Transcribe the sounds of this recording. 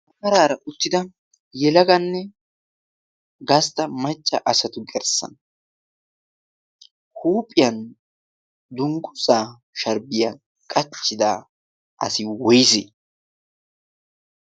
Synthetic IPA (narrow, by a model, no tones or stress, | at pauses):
ʔɐmɐɾaːɾɐʔʊt̪ːɪd̪ɐ | jɛlɐɡɐnːɛ | ɡɐst̪ɐmɐt͡ʃʼːɐʔɐsɐt̪ʊɡɛɾsɐ̰n | huːpʼɪjɐn | d̪ʊŋɡʼʊzaː | ʃɐɾbɪja | kʼɐt͡ʃːɪd̪aː | ʔɐ̰sɪwɔjseː